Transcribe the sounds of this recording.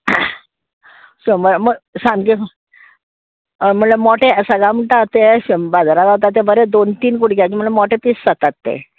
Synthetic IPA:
soməɾməɡsãmke | m̤əɳlemɔʈesəɡɭam̤əɳʈat̪ebad͡zʱaɾaɡaɦot̪at̪ːebəɾed̪ont̪iːnkuɽk̬jakim̤əɳlemɔʈep̪iːsːət̪at̪ːḛ

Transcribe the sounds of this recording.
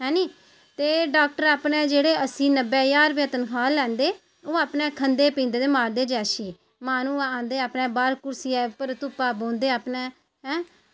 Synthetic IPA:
ɦɛ̃ːniː | t̪eːɖaːk̚ʈəɾaːpnẽːd͡ʒeːɽeːʔəsĩːnəbɛːjaːɾʋjeːt̪ənkʰaːlɛ̃ːnd̪eː | oːaːpnẽːkʰənd̪eːpĩːnd̪eːd̪eːmaːɾd̪eːd͡ʒɛːʃiː | maːnũːãːnd̪eːaːpnɛ̃ːbaːɾkʊɾsiːɛːpəɾt̪ʊpːaːbõːnd̪eːaːpnɛː | ɦɛ̃ː

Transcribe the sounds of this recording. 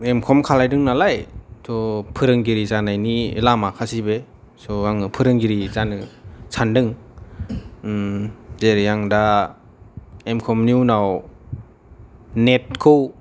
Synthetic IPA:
emkʰɔmkʰalajdɯŋnalajtʰɔpʰɯɾɯŋɡiɾizanajnilamakʰasibe | sɔaŋɯpʰɯɾɯŋɡiɾizanɯsʰandɯŋ | zeɾijaŋda | emkʰɔmniwnaw | net̚kʰɯw

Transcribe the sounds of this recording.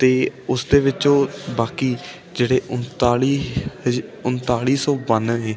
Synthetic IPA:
t̪eːʊsd̪eːʋɪt͡ʃõːbaːkiː | d͡ʒeːɽeːʔʊnt̪aːi | ʊnt̪aːɭiːsõːbənɦeː

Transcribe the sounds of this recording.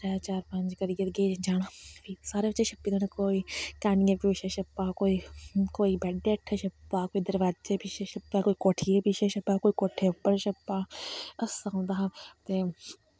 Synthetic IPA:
ɛːt͡ʃaːɾpɐ̃ɲd͡ʒkəɾijət̪ɡeːd͡ʒd͡ʒaːɽ̃abiːsaːɾeːbət͡ʃːẽːʃəpːiːd̪oːnakoːiːkaːnijeːpuːʃeʃəpːaːkoːiːkoːiːbɛːɖeːəʈʰːeʃəpːaːkoːiːd̪əɾʋaːd͡ʒeːbiʃeʃəpːaːkoːiːkoːʈʰiːebiʃeːʃəpːaːkoːiːkoːʈʰːeːʊpːəɾʃəpːaːəsaːɦõːnd̪aːɦt̪eː

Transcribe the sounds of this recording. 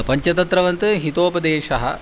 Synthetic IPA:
pɐɲt͡ʃɐt̪ɐt̪ɾɐʋɐnt̪ɨɦit̪oːpɐd̪eːʃɐɦɐ̰̆

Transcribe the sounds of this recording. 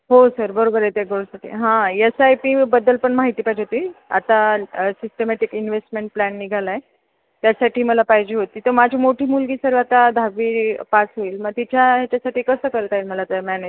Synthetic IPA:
ɦosəɾbəɾobəɾet̪jaɡoɭsaʈʰḭːɦãesajpiːbəd̪əlpəɳmaɦit̪iːpajd͡ʑeɦot̪iːa̰t̪asisʈemɛʈikinʋesʈmeɳʈ̚plænːiɡʱalae | t̪jasaʈʰiːməlapaɦd͡ʑeːɦot̪iːt̪əmad͡ʑʱiːmoʈʰiːmulɡiːsəɾʋat̪ad̪ʱaɡʋiːpasɦoiːlməɡ̚t̪it͡ɕʰjaɦat͡ɕasaʈʰiːkəsəːkəɾt̪ailməlat̪mæned͡ʑ

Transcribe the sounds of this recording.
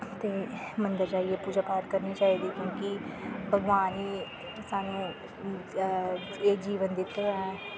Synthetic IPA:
t̪ẽːmənd̪əɾd͡ʒaːieːpuːd͡ʒaːpaːt̪kəɾniːt͡ʃaːiːd̪iːkʲjõːkibʱəɡʋaːniː | saːnũː | eːd͡ʒiːʋənd̪ɪt̪ːeɛ̃

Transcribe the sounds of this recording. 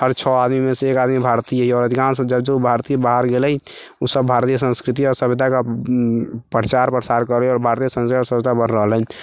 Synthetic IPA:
ɦəɾt͡ʃʰɔad̪mimeseekad̪mibʱaɾt̪iəɦiɔːɾəd̪ʱikansd͡ʒəbd͡ʒoubʱaɾt̪ibaɦəɾɡelɛj | usəbːʱaɾt̪ijəsə̃nskɾit̪iɔɾsəbid̪ʱaka | pɾt͡ʃaɾpɾəsaɾkəɾliɔɾbʱaɾt̪ijəsə̃nsd̪asəbd̪ʱabənɾəɦəlɦɛn

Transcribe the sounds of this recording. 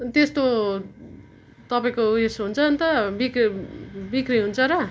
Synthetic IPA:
t̪est̪o | t̪ʌpaĩkoesɦunt͡sʰʌnt̪ʌbik | bikriɦunt͡sʰʌɾʌ

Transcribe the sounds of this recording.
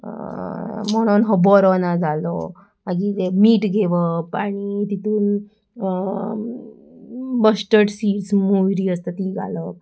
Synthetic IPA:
mɔɽ̃onɦɔbɔɾɔnad͡zalɔ | aɡit̪emiːʈɡʱeʋəpaɽ̃it̪it̪uːn | bəsʈəʈsiːʈsmoʋɾiːəst̪ət̪iːɡʱa̰ləp̚

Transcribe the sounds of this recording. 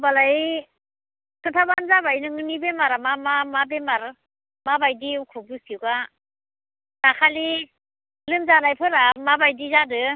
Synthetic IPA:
balaj | kʰɯntʰabanzabajnɯŋɯnibemaɾamamamabemaɾ | mabajdiukʰɯbɯsiwɡa | nakʰali | lɯmzanajpʰɯɾamabajdizadɯ

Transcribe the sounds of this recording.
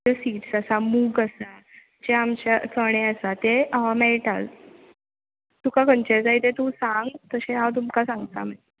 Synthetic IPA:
əsiːʈsəsamuːɡəsa | d͡ʑeamt͡ɕat͡sʰəɽ̃eəsat̪eaameɭʈal | t̪ukakənt͡ɕed͡zait̪et̪ũsãŋɡt̪əɕẽɦat̪̬umkasãŋɡt̪a̰m̤ə

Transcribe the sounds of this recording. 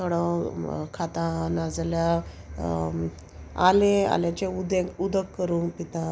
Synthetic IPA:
əɽə̃kʰat̪ãnad͡zlja | a̰lea̰ljãt͡ɕeud̪ẽud̪ʱəkːəɾũːpit̪ã

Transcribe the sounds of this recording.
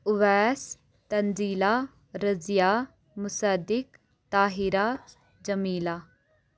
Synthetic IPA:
ʊʋɛːs | t̪ɐnziːla | ɾɐzja | mʊsad̪ɪk | t̪aːɦiɾaː | d͡ʒɐmiːlaː

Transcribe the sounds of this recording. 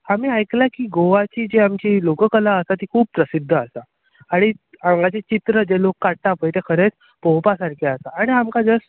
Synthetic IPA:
amiːajklakiːɡoʋat͡ɕiːd͡ʑeamt͡ɕiːlokəkəlaəsat̪iːkʰuːb̚pɾəsid̪ʱːəasa | aɽ̃i | ãŋɡat͡ɕet͡ɕit̪ɾəd͡ʑelokːaɽʈapəjt̪ekʰəɾet͡s | powpasaɾkʰeasaːɽ̃iamkad͡zəs

